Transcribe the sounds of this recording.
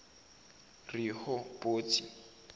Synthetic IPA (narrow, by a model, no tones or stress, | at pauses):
rihʊpʼoːt͡sʼi